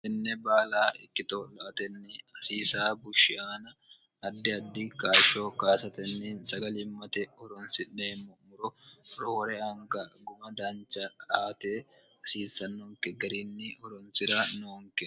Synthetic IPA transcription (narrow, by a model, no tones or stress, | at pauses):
ʔɪnːɛbaːlaːɪkːɪt̪oːlːɔʔɐt̪ɛnːɪɐsiːsaːbʊʃːɪaːnɐ | ɐd̪ːɪɐd̪ːɪkaːʃoːkaːsɐt̪ɛnːinsɐɡɐlɪmːɐt̪ɛɔɾɔnsɪᶑeːmːɔmʊɾɔ | ɾoːɾɛɐŋɡɐɡʊmɐd̪aːnt͡ʃɐkʼaːt̪eː | ɐsiːsɐnːoːŋkɛɡɐɾinːɪɔɾɔnsɪɾɐnoːŋkɛ